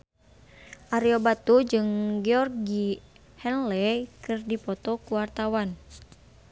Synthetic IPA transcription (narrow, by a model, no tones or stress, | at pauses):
ʔaɾiobat̪ud͡ʒɨŋɡɛɔrɡi | hɛnlɛkɨrdipɔt̪ɔkuwart̪awan